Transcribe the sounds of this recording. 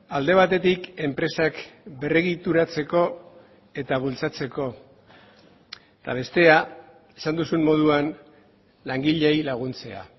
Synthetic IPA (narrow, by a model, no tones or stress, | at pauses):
ald̪e̞β̞at̪e̞t̪ike̞mpɾe̞sakbe̞reɣit̪uɾat͡se̞ko̞ | e̞t̪aβ̞ult͡sat͡se̞ko̞ | t̪a̰β̞e̞st̪e̞a | e̞sand̪usummo̞ð̞uan | laŋɡiʎejlaɣ̞unt͡se̞a̰